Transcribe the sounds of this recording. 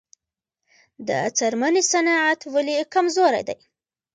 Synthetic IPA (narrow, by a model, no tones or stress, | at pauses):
d̪ə̰a̰t͡saɾmanisanɑat̪walikamzoɾa̰jd̪a̰j